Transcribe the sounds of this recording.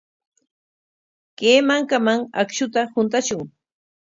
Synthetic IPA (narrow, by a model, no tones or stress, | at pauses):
keːmaŋkamaŋakʃʊt̪ahʊnt̪aʃʊŋ